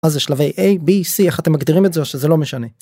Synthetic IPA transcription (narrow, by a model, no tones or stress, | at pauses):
azeʃlave̞jʔejbisiaχat̪emːaɡd̪iʁimetzeoʃeze̞lo̞me̞ʃane̞